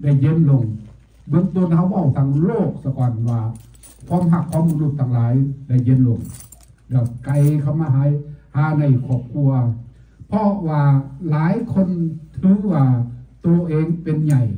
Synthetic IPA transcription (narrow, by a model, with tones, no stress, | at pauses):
da˧˩jːe˧˥˨nlo˧˩ŋ | bɤ˧˨ŋt̪o˧˨nha˧˥˩wːa˧˩˨wt̪ʰa˧˩ŋloː˧˩k̚sa˧kɔː˨nwaː˧˩ | kʰwaː˧˥˨mɦa˧˩kʰːwaː˧˥˨mbu˧˨lu˧t̪ʰːa˧˩ŋlaː˨˦jda˧˩jːe˧˥˨nlo˧˨ŋ | da˧˩ka˨jkʰa˧˩˨mːaː˧ɦaː˨˧˥jhaː˨˧˦na˧˩jkʰɔː˧˩p̚kʰu˧ɐ | pʰɔ˧waː˧laː˨˦jkʰo˧˥˨nt̪ʰɯː˧˦waː˧˩t̪u˧ʔeː˧˨ŋpe˧nɲa˧˩j